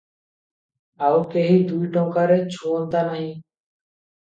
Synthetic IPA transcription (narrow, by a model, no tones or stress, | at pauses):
awkeɦiːd̪ujʈɔŋkaɾet͡ʃʰoːnt̪anaɦĩː